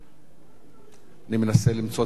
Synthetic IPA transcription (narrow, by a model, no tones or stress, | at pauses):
nimenasɛlim̩t͡sɔ